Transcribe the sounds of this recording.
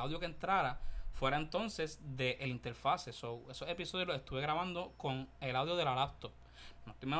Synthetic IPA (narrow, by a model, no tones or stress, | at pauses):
awðjo̞kent̪ɾaɾafwe̞ɾaent̪o̞nse̞sd̪e̞ʔelint̪e̞ɾfasesowe̞sose̞piso̞ðjoloe̞st̪uβe̞ɣɾaβ̞ãnd̪o̞ko̞ŋelawðjo̞ðelalap̚t̪op̚ | noet̪ojmen